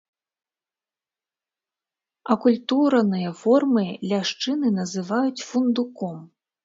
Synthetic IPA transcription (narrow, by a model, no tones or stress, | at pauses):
ɐkulʲt̪uɾɐnɨjɐfɔrmɨlʲaʂt͡ʂɨnɨnɐzɨvajut͡sʲfund̪ukɔm